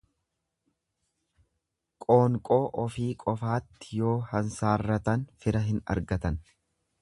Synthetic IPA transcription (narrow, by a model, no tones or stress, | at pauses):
kʼo̞ːŋkʼo̞ːʔɔfiːkʼɔfaːt̪ːɪjo̞ːhɐnsaːrːɐt̪ɐnfɪɾɐɦɪnɐ̰ɾɡɐt̪ɐn